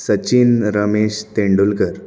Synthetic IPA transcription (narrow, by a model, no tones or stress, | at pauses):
sət͡ɕinɾəmeɕt̪eɳɖulkəɾ